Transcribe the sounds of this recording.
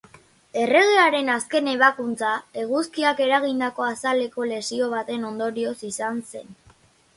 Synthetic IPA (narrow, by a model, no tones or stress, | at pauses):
e̞re̞ɣe̞aɾe̞naske̞ne̞β̞akunt͡sae̞ɣ̞uskiake̞ɾaɣind̪ako̞asale̞ko̞le̞sio̞β̞at̪e̞no̞nd̪o̞ɾio̞sisanse̞n